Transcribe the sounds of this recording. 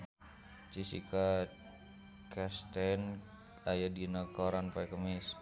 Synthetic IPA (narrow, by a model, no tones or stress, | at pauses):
t͡ʃisḭkʰa | kɛst̪ɛn | ajadinakɔɾanfajkəmis